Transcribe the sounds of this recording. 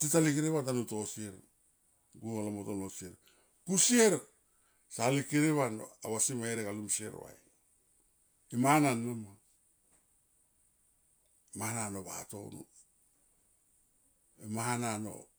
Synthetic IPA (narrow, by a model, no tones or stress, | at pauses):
titalikiɾeβatanuto̞sieɾ | ɡualamotonosieɾ | kusieɾk | salikiɾeβano̰aβasimaeɾekalumsie̞̰ɾ̰wa̰j | imaananːoma | mahananoβa̰to̞̰nṵ | emahanano̰